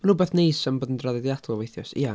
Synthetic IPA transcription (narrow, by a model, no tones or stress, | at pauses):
rʊbɛθnejsəmboːdn̩draðɛdjadʰɔlˠvejθjɔsḭa